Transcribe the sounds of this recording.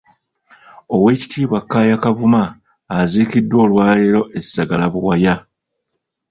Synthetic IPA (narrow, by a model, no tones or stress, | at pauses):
o̞we̞ːci̥tʰiːβwakːaːjakavumaː | ziːkidːwo̞ːlwaːjeɾo̞ʔesːaɡalaβuwaja